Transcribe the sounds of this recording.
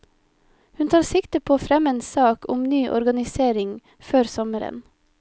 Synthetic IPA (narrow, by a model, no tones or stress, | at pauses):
hʉnt̪ʰɑːɾsɪkt̪əpʰoːfɾɛmeːnsɑːkʊmnyːʔɔ̰ɾɡɑnɪseːɾɪŋ | føːɾsɔməɾə̰n